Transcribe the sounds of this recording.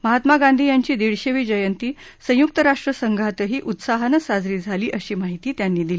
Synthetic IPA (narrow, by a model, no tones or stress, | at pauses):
məɦat̪maɡand̪ʱiːjaɲt͡ɕiːd̪iɭɕeʋiːd͡ʑəjənt̪iːsə̃juk̚t̪əɾaʂʈɾəsəŋɡʱat̪əɦiːʔut̪saɦanəsad͡zɾiːd͡zʱaliːʔəɕiːmaɦit̪iːt̪janːiːd̪il